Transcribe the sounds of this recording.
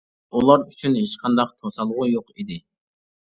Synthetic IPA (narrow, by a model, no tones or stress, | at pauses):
ulˠɑɾyt͡ʃʰynhet͡ʃqʰɑnd̪ɑq̚t̪ʰosɑlˠʁujoqid̪ɪ